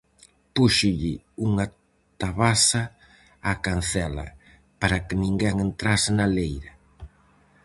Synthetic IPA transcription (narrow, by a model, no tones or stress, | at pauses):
puʃɪʎɪ | uŋɐ | t̪aβasɐ | akan̟θɛlɐ̰ | paɾɐkɪnĩŋɡɛŋent̪ɾasɪnɐlejɾɐ